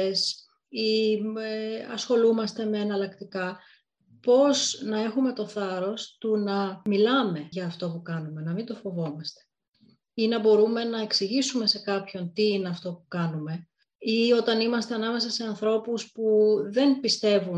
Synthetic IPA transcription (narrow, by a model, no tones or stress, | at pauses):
s | ieɐ̰sxo̞lumɐst̪e̞me̞ːnɐlɐkt̪ikɐ | po̞znɐe̞xume̞t̪o̞θɐɾo̞st̪unɐmilɐme̞ʝɐːft̪o̞pukɐnume̞nɐmind̪o̞fo̞vo̞mɐst̪e̥ | inɐbo̞ɾume̞nɐe̞ksiʝisume̞se̞kɐpço̞nt̪iine̞ɐft̪o̞pukɐnume̞ | io̞t̪ɐnimɐst̪e̞ɐnɐme̞s̬ɐse̞ɐnθɾo̞puspuðe̞npist̪e̞vun